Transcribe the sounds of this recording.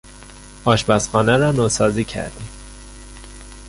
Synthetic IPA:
ʔɒːʃbæsxɒːnæɾɒːnosɒːziːcʰæ̰ɾd̪im

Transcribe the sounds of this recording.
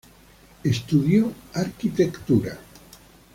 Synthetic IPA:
est̪uðjoaɾkit̪ekt̪uɾa

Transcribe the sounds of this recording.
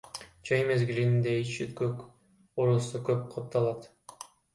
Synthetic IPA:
d͡ʒɑjmezɡilinind̪eit͡ʃit̪køk | oɾusukøp̚qʰɑp̚t̪ːɑlˠɑt̪

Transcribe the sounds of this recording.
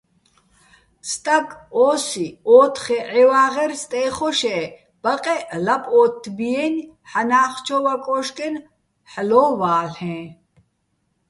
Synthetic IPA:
st̪ʼakʰʼɔːsiɔːt̪ʰχɛʕɛwaːʁɛrst̪ʼɛːχɔʃɛ | b̥aqʼɛlapʼɔːt̪ʰːbiɛn | ħanaːχt͡ʃʰɔvakʼɔʃkʼɛn | ħlɔːvaːɬhɛ̃ː

